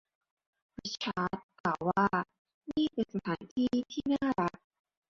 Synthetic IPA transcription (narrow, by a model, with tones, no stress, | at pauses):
pi˦˥t͡ɕʰaː˦˥t̪̚klaː˨˩wːaː˥˩ | niː˥˩pe˨nsa˧t̪ʰaː˩˦nt̪ʰiː˥˩t̪ʰiː˥˩naː˥˩ɾa˦˥k̚